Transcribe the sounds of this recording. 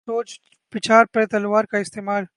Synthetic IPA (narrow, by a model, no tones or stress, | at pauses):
oːt͡ʃ | bɪt͡ʃʰaːɾpɛt̪ɐlwaːɾkaɪst̪eːmaːl